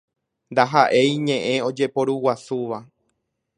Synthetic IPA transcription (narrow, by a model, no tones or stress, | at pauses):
nd̪aɦaʔe̞jɲẽ̞ʔẽ̞o̞d͡ʒe̞po̞ɾuwasuʋa